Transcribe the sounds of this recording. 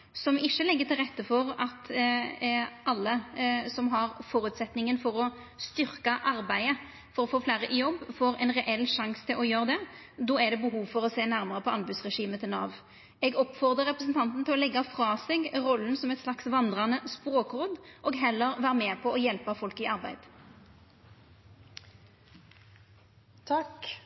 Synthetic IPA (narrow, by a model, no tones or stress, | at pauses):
sɔmɪʃːəlɛɡːət̪ʰɪlʁɛt̪ːəfɔɾɑt̪ | ʔɑlːəsɔmɦɑɾfɔːɾʉːt̪sɛt̪nɪŋənfɔɾɔ | st̪ʏɾkɑʔɑɾbæɪə | fɔɾɔfoːflæːɾəʔɪjɔbːfoːɾɛnʁɛʔɛlːʂɑŋst̪ʰɪlʔɔjøːɾəd̪ɛ | d̪ɔːæd̪ɛbəɦuːʋfɔɾɔseːnæɾmɑʁəpʰɔɑnbʉsʁɛʂiːmət̪ʰɪlnɑ̰ːʋ | ɛɡɔpfɔʁd̪əʁɛpʁəsnt̪ʰɑnt̪n̩t̪ʰɪlɔlɛɡːɑfʁɑːsɛɡʁɔlːn̩sɔmɛt̪slɑksʋɑnd̪ʁɑnəspʁoːkʁoːd̪ʔɔːɡɦɛlːəʁʋæːʁəmɛːpʰɔɔjɛlpɑfɔlkɪɑʁbæɪd̪ | t̪ʰɑk